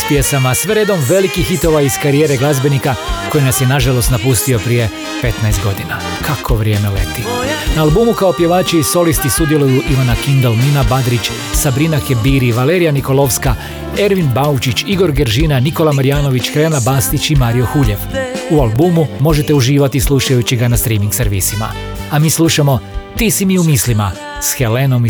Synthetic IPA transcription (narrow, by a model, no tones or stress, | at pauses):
spijesamasʋe̞ɾe̞d̪o̞mʋe̞likixit̪o̞ʋaiz̥kaɾijeɾe̞ɡlˠazbe̞nikako̞jinasjenaʒalˠo̞st̪napust̪io̞pɾije̞ | pe̞t̪naest̪ɡo̞d̪ina | kʰakʰo̞ʋɾje̞ːmelḛt̪inaːlˠbuːmukao̞pje̞ʋaːt͡ʃiiso̞list̪isud̪je̞lujuʔiʋanakind̪o̞lninabad̪ɾit͡ʃ | sabɾinakebiːɾiʋale̞ːɾijaniko̞lˠo̞ʋska | e̞ɾʋinbaut͡ʃit͡ɕiɡo̞ɾɡeɾʒiːnaniko̞lamaɾijaːno̞ʋit͡ʃxɾenabaːst̪it͡ɕimaːɾijo̞xuʎe̞ʋualˠbumumo̞ʒet̪euʒiːʋat̪islˠuʃajut͡ɕiɡanast̪ɾiːmiŋɡseɾʋiːsima̰ | amiːslˠuʃamo̞t̪iːsimiumislima̰ | sxe̞le̞no̞m